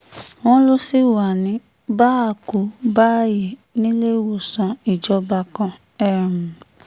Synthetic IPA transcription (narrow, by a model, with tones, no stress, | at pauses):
w̃ɔ̃˦lo˦si˦wa˨nĩ˧˦ | ba˦˨ku˨˦ba˦˨ji˨nĩ˦le˦˨wo˨sã˧i˨d͡ʒɔ˧ba˧kã˧ | ɛ˦˨m˨